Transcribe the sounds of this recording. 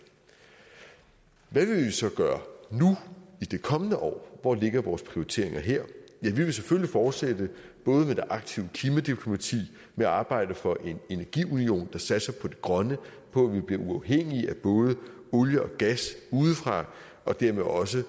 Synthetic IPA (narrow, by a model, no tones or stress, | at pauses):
ʋæʋe̝lʋisɒ̽ɡ̥ɶːɐnuid̥e̝kʰɒ̽mənəʔɒ̰ːʋɒle̝ɡ̥ɐʋɒːspʰʁioit͡sʰe̝̰ɐ̰eŋɐɦeɐ̰jæʋiʋe̝sefølifɒːd̥sed̥əb̥ɔ̽ːð̞̩ˠmed̥e̝ʔɑ̈ɡ̥̚t͡sʰiʊəkʰiːmæd̥ipʰlo̝mæt͡sʰḭː | meæɑ̈ːb̥ɑ̈ɪ̰d̥əfɒ̽ʔe̝ne̝næɐɡ̥ḭːunio̝̰ːnd̥ɑ̈sæd̥sɐpʰɒ̽d̥e̝ɡ̥ʁɶnə | pʰɒ̽æʋib̥liɐʔuɑ̈ʊɦeŋ̰iʔæb̥ɔ̽ːð̞ˠə | oljəɒ̽ɡ̥æsuːð̩ˠfʁɑ̈ | ʔɒ̽d̥æɐ̰meʔɒ̽s̬ə